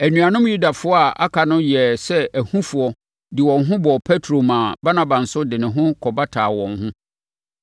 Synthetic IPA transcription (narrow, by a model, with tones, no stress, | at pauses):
æ˨nũ˨a˨nʊ̃˦mju˦da˨fʊ˦ɔ˦a˨ʔa̰˦kʰa˨nʊ̃˦jɛ˨sɛ˦æ˨hũ˦fʊ˨ɔ˦ | dɪ˨wɔ̃˨nɦʊ̃˦bɔ˨pʰɛ˦tʰɾo˨mãː˨ba˦nã˨bã˨n̩˨sʊ˦dɪ˨nɪ̃˨ɦʊ̃˦kʰɔ˨ba˦tʰaː˨wɔ̃˨ŋhʊ̃˦